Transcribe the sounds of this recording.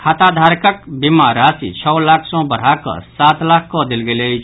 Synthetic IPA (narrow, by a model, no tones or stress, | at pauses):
kʰat̪ad̪ʱaɾkəkbimaɾasḭt͡ʃʰɔwlakʰsɔ̃bəɽ̤akə̰sat̪lakʰkɔd̪elɡelejt͡ʃʰ